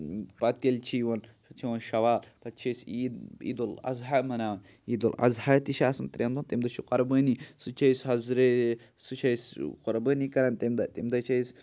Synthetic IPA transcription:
pɐt̪ɐlʲt͡ʃʰiwɐnʃɐt͡ʃʰiwɐnʃɐʋaːlpɐt͡ʃʰɐsiḭd̪olɐ̰zɦamɐnaːwɐn | id̪olɐ̰zhat̪iʃaːsɐnt̪ɾʲend̪unt̪emd̪ɐʃʰuqɐɾbəːnisɨt͡ʃʰɐjsɦɐzɾe | sɨt͡ʃʰɐjsqɔɾbəːnikɐɾɐnt̪emd̪ɐt̪emd̪ɐt͡ʃʰɐjs

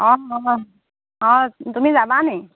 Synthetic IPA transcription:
ɔ̃ɔ̃ | ɔ̃tumizabane

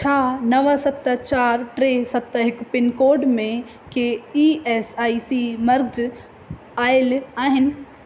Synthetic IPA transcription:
t͡ɕʰaːnɐʋasɐt̪ːət͡ɕaːɾʈɾesɐt̪ːəɦɪkpɪnkoːɖmẽ | keiːeːsaːisimɐɾɡd͡ʑ | aːɪlaːɦɪnɪ̆

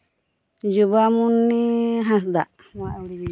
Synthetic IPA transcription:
d͡ʒubamunːiɦas̬d̪a | a

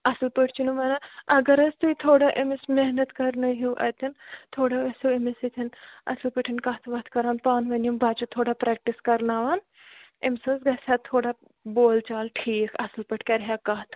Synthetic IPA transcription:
ɐslpəʈʰt͡ʃinumɐnaɐɡɐɾɐst̪uit̪ʰoːɽaʔemismeɦnɐt̪kɐɾnɐɦiwʔɐ̰t̪ɐnt̪ʰoːɽaɐsuemisit̪ʰinɐ̰slpəʈʰinkɐɦt̪ʰʋɐt̪ʰkɐɾaːnpaːnʋɐnumbaːt͡ʃɐt̪ʰoːɽapɾɛːk̚ʈiskɐɾnaːʋaːn | emsɐsɡɐsʲaːt̪ʰoːɽa | boːlt͡ʃaːlʈʰiːkʰɐsɨlpɐʈʰkʲɐɾɦaːkaɦt̪ʰ

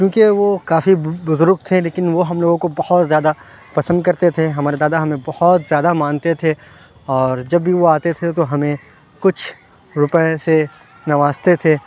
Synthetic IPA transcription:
kjoũːkeʋokaːfibʊzʊɾk̚t̪ʰẽleːkɪnʋoɦɐmloːɡõkobɐhɔt̪zjaːd̪a | pɐsə̃nd̪̚kɐɾt̪et̪ʰeɦɐmaːɾed̪aːd̪aɦɐmẽbɐhɔt̪zjaːd̪amãːnt̪et̪ʰe | ɔːɾd͡ʒɐbːiʋoaːt̪et̪ʰet̪oɦɐmẽ | kʊt͡ʃʰ | ɾʊpəese | nɐʋaːst̪et̪ʰeː

